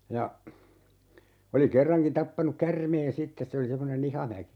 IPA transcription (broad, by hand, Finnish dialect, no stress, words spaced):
jɑ oli kerːɑŋkin tɑpːɑnuk kærmeːn sitːes se oli semːonen ihɑmæki̥